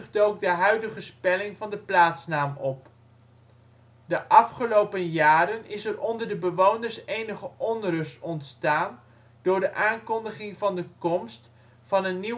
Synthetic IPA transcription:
χdowk̚dəɦœɥdəχəspɛlɪŋvɑndəplaːtsnaːmɔp̚ | dəʔɑfχəlowpənjaːɾənɪsɛrɔndəɹdəbəʋownəɹsejnəχəʔɔnrɵstɔntstaːn | d̥ʊːɹdəʔaːŋkɔndəχɪŋvɑndəkɔmst | fɑnənːi

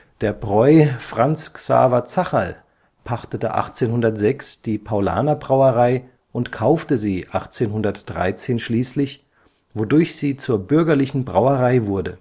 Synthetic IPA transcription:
d̥eːɐbʁɔʏfʁ̥ant͡sksa̰ːvat͡saχa̰l | pʰaχtətə̰ʔa̰χt͡seːnɦʊndɐtz̥ɛksd̥iːpʰaʊla̰ːnɐbʁaʊəʁaɪ | ʔʊntkʰaʊftəziːʔaχt͡seːnɦʊndɐtd̥ʁa̰ɪt͡seːnʃliːslɪç | vodʊɐçz̥iːt͡suːɐbʏɐɡɐlɪçn̩bʁa̰ʊəʁaɪvʊɐdə

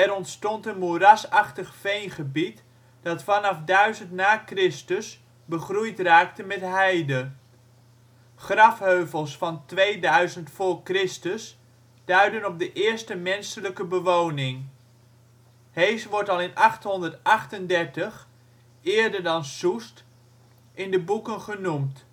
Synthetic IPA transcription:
ɛɾɔntstɔntənmuərasɑχtəχfejnχəbit | d̥ɑtfɑnɑfdœɥzəntnaːkrɪstəs | bəχrujtraːk̚təmɛtɦɛjdə | χrɑfhøɥvəlˠsfɑntʋejdœɥzəntfʊːɹkrɪstəs | d̥œɥdənɔp̚dəʔɪːɹstəmɛnsələkəbəʋownɪŋ | hejsʋɔɹtɑlˠɪnʔɑχtɦɔndəɹtɑχtəndɛɹtəχ | ɪːɹdəɹdɑnsust | ʔɪndəbukənχənumt

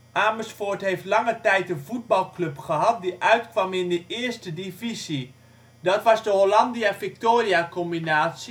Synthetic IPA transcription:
ʔaːməsfotɦejftlɑŋətɛjtəvud̚bɑlˠklɵpχəɦɑt̚diʔœɥtkʋɑmɪndəʔɪrstədivizi | dɔtʋɑzdəɦolɑndiavik̚toːriakɔmbinaːs

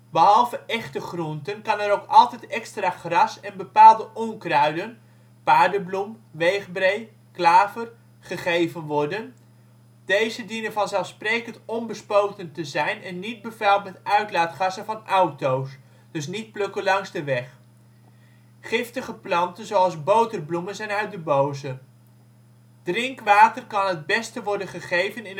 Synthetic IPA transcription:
bəɦɑlˠvəʔɛχtəχruntənkɑnɛɾowkɑlˠtɛjtɛkstraːχrɑsɛnbəpaːlˠdəʔɔŋkrœɥdən | paːɹdəblumʋejχbrej | klaːvər | χəχejvənʋɔɹdən | d̥ejzədinənvɑnzɛlˠfsprejkəntɔnbəspowtəntəzɛjnɛnːid̚bəvɛlˠtmɛtœɥtlaːtχɑsəvɑnɑwtows | d̥ɵs̬nit̚plɵkəlɑŋzdəʋɛχ | χɪftəχəplɑntənzowɑlˠzbowtərblumənzɛjnœɥt̚dəbowzə | d̥rɪŋkʋaːtərkɑnɦəd̚bɛstəʋɔɹdənχəχejvənɪn

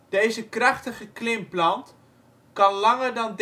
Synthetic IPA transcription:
d̥ejzəkrɑχtəχəklɪmplɑnt | kɑnlɑŋərdɑnd

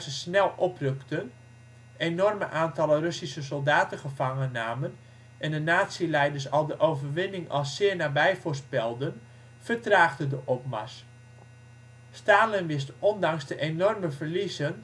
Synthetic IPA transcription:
səsnɛlˠʔɔprøktən | enɔrməʔaːntɑlərøsisəsolˠdaːtəχəfɑŋənːaːmən | ʔɛndənaːtsilɛjdərsɑlˠdəʔowvərʋɪnɪŋɑlˠsɪːɹnaːbɛjfʊrspɛlˠdən | fərtraːɣdədəʔɔp̚ma̰s | staːlɪnʋɪstɔndɑŋsdəʔenɔrməvərlizən

